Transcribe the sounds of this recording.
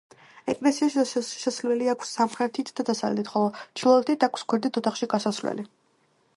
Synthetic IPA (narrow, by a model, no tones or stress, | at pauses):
ɛkʼlɛsiaʃʃɛslɛliakʷʰsːamχɾɛt̪ʰit̪ʰd̪ad̪asald̪it̪χɔlˠɔt͡ʃʰilˠɔɛlt̪ʰit̪ʰakʷʰskwɛɾd̪it̪ʰɔt̪ʰaχʃiɡasasɾlɛ̰li